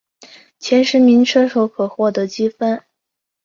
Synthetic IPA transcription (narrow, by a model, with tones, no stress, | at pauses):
t͡ɕʰjɛ˧˥nʂɻ̩˧˥mi˧˥nʈ͡ʂʰɤ˥ʂo˧˥ʊkʰɤ˨˩xwɔ˥˩t̪ɤ˧˥t͡ɕi˥fə˥n